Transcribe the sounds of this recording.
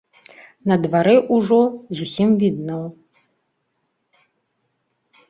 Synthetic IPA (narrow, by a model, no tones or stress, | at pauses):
nɐd̪vaɾɛʔuʐɔzusʲimvʲid̪̚nɐw